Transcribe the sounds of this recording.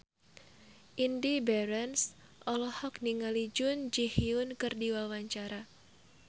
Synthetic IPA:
ʔindibɛɾɛns | ʔɔlɔhɔk̚niŋalid͡ʒʊnd͡ʒihiʊnkɨrdiwawaɲt͡ʃaɾa

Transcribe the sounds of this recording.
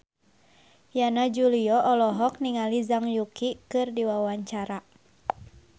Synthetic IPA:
janad͡ʒuliɔʔɔlɔɦɔk̚niŋalizaŋjukikɨrdiwawaɲt͡ʃaɾa

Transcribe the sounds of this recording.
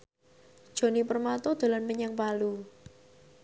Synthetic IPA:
d̥ʒ̥o̤nipərmat̪ɔd̪̥o̤lanməɲaŋpalu

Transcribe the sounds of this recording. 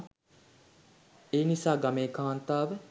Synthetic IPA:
eːnisaːɡameːkaːnt̪aːʋə

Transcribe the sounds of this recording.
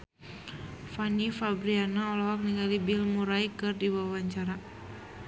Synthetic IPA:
fanifabɾianaɔlawak̚niŋɡalibilmuɾaikɨrdibawaɲt͡ʃaɾa

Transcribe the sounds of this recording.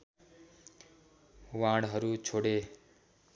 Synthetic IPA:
ʋãːɽɦəɾuːt͡ʃʰoːɽeː

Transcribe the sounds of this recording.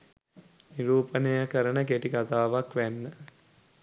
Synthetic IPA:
niɾuːpənejəkəɾənəkeʈikat̪aːʋakʋænːə

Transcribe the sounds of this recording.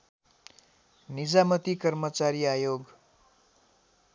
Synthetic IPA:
nid͡zamʌt̪ikʌrmʌt͡saɾiajoɡ

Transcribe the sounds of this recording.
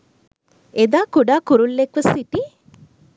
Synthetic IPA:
ed̪aːkuɖaːkuɾulːekʋɐsːiʈi

